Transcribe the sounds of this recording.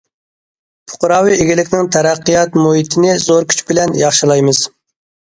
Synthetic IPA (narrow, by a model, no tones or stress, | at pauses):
pʰʊ̥qʊɾɑːwieɡʲɪlɪkʲnɪŋt̪ʰɛɾɛqːijɑt̪muɦit̪ʰɪnɪzoɾkʲʰy̥t͡ʃbɪlɛnjɑχʃilˠɑjmɨz̥